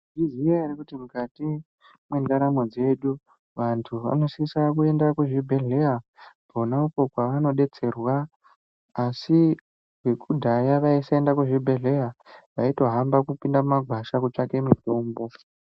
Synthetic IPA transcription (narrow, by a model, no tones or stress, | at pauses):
ʐiziaeɾekutimukati | mwendaɾamo̞d͡ze̞ɗu | ʋantʰuʋa̰no̞siisak̬ue̞ndakuʐibʱe̞ɮe̞jabʱonauko̞kwaʋano̞ɗe̞t͡se̞rwaː | si | wekʰudʱajaʋaisaendakwuʐibʱe̞ɮe̞jaʋaito̞ɦambakupindamumaɡʱwaʃakut͡ʂake̞mito̞ːmbo̞